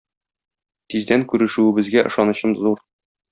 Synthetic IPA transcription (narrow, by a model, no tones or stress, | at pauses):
t̪izd̪æŋkʉɾɘ̆ʃʉɘ̆bɘ̆zɡæʔɤ̆ʃɑnɤ̆ɕɤmzuɾ